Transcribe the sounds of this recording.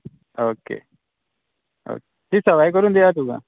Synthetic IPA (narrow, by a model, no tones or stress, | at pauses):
oːkḛː | o̰ːket̪isəʋaːik̬əɾũnd̪eaːt̪uɡã̰